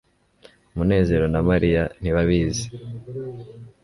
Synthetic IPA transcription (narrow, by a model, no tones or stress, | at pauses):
mune̞ːze̞ɾo̞namaɾijan̥iβaβiːzi